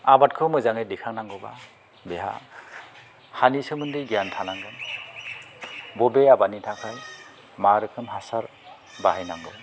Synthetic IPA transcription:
abat̚kʰɯmɯjzaŋejdɛkʰaŋnaŋɡɯba̰ | bɛɦa̰ | hanisɯmɯndɯjɡijantʰanaŋɡɯn | bɔbeabanitʰakʰaj | maɾɯkʰɯnɦasaɾ | baɦajnaŋɡɯ̰w

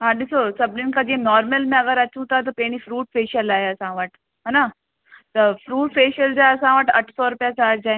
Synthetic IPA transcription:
ɦãːɗɪsosɐbninkad͡ʑẽnɔːɾməlmẽɐɡəɾɐt͡ʃʰũt̪at̪̬ɐpeːɽ̃ĩfɾuːʈfeːʃəlaːɦeɐsãʋəʈ | ɦɛna | t̪ɐfɾuːʈfeːʃəld͡ʑaɐsãʋəʈɐʈʰsɔɾʊpjasaːɾd͡ʑaːẽ

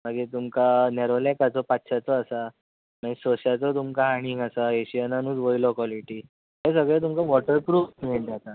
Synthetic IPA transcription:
maɡiːt̪umkanɛɾolɛkat͡sɔpat̪ːɕʰjat͡sɔːsa | mãisɔɕat͡sɔt̪umkaɦaɽ̃iːŋɡasaeɕijananũːd͡zʋɔilɔkɔliʈiː | ɦẽsəɡɭet̪̬umkaʋɔʈəɾpɾuːfmiɭd͡ʑat̪a

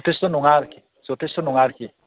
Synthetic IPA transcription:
t̪est̪ɔnuŋaɾki | sɔt̪est̪onuŋaɾki

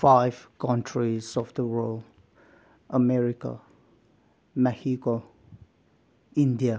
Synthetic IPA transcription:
fajvkãntʰɹisɔfdəɹol | ʔəmɛɹika̰ | mɛhiko | ĩndia

